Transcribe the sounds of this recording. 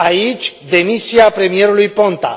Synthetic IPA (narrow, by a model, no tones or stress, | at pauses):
ait͡ʃʲd̪e̞misiapɾe̞mije̞ɾulujpo̞nt̪a̰